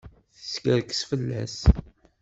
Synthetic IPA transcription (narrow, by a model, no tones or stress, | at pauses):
θə̥skəɾkə̥sfəlːæ̰s